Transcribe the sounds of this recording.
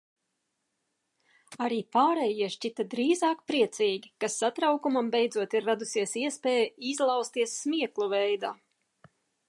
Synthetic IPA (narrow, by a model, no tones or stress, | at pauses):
aɾiːpaːɾɛjiɛʃt͡ʃit̪ad̪ɾiːzaɑːkpɾiɛt̪siːɡʲikasːat̪ɾawkumambɛjd̪zuɔt̪iɾːad̪usiɛsiɛspɛːjizlˠɑwst̪iɛsːmiɛklˠuvɛjd̪aː